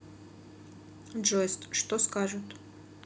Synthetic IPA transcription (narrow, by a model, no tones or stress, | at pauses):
d͡ʒojst̪ʂt̪oskaʒɨt̪